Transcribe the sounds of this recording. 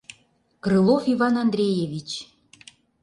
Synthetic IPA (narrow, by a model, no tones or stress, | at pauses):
kɾɨlˠofivɑnɑnd̪ɾʲejevʲit͡ɕ